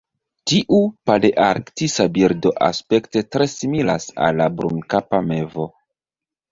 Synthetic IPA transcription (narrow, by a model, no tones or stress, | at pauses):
tiʔupaleʔaɾktisabiɾdoʔa̰spe̞ktetɾe̞simila̰sa̰lːabɾunkapame̞vo̞